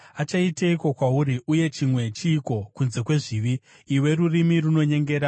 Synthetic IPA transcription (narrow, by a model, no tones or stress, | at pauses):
at͡ʃaiteiko̞kwauɾiʔuje̞t͡ʃimwe̞t͡ʃiːko̞kunze̞kwe̞ʐiʋiː | we̞ɾurimiruno̞ɲe̞ŋɡe̞ːɾa